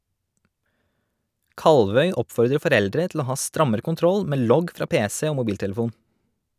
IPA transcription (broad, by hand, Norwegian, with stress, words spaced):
ˈkɑlʋœʏ ˈɔpfɔɾdɾə fɔˈɾɛldɾɛ tl̩ ˈoː ˈhɑː ˈstɾɑməɾə kʊnˈtɾɔl ˈmeː ˈlɔɡ ˈfɾɑː ˈpeːsɛ ˈoː mʊˈbiːltɛləˌfuːn